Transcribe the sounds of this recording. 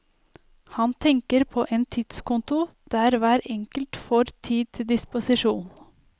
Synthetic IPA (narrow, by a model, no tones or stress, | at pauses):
hɑnt̪ʰɛŋkəɾpʰoːʔeːnt̪ʰɪt̪skʊnt̪ʊd̪̥æːɾʋæːɾɛŋkəlt̪fɔɾt̪ʰiːd̪̚t̪ʰɪd̪ɪspʊsɪʃuːn